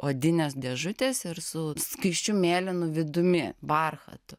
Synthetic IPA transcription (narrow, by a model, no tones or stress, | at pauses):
oːd̪ʲɪnʲɛsd̪ʲɛʒʊt̪ʲeːsɪɾsʊskɐɪʃʲt͡ʃʲʊmʲeːlʲɪnʊʋʲɪd̪ʊmʲɪʋɐrxɐ̰t̪ʊ